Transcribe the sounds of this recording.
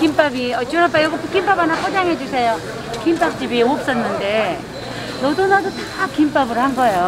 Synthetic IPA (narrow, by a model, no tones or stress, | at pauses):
kimp͈abiʌt͡ɕunapajoɡʌpʰukimpabanapʰod͡ʑaŋɦe̞d͡ʑusʰe̞jo | kimp͈ap̚t͡ɕ͈ibiop̚s͈ʌnːɯnde̞ | nodonadotakimp͈abɯɾɦanɡʌejo